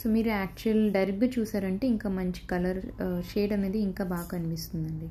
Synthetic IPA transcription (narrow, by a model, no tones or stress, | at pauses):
soːmiːɾuaːk̚t͡ʃuɐlɖɐɾɐbut͡ʃuːsaːɾɐɳʈe̞ːiŋkaːmɐɲt͡ʃi̥kɐlɐɾt͡ʃɛːjɐɽɐneːd̪iiŋkaːbaːɡɐkɐnipist̪und̪ɐɳɖi